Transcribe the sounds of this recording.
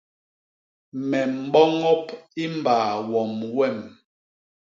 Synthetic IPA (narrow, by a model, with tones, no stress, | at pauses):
mɛ˨m̩˨bɔ˦ŋɔ˦pi˦m˨baː˨wɔ˨mwɛ˦˨m